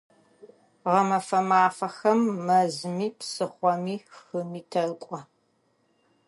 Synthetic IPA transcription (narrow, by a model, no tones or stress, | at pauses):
ʁɐmɐfɐmaːfɐxɐmːɐzmiːpsɨχʷɔmiːxɨmiːtʰɐrkʷʼɔ